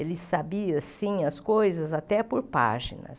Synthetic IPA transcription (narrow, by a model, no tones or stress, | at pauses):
elɪsabiɐsĩɐskojzɐzat̪ɛpoɾpa̰ʒḭnɐ̰s